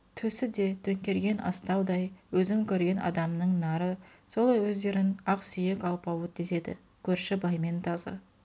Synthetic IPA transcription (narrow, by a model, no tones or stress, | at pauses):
t̪ʰɵsɪd̪e̞t̪ʰɵŋkʲe̞ɾɡʲe̞nɑ̰st̪ɑwd̪ɑjwɵzɪmkʲʰɵɾɡʲe̞nʔɑ̰d̪ɑmnəɴnɑɾə | so̞lˠɑjwɵzd̪e̞ɾɪnɑqsʏje̞kɑlˠpɑwət̪ʰeze̞d̪ɪ̰ | kʲʰɵɾʃɪbɑjme̞nt̪ʰɑzə̰